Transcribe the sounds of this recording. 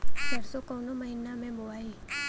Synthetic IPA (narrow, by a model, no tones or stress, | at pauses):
səɾsokɔnoməɦɪnamẽboaːi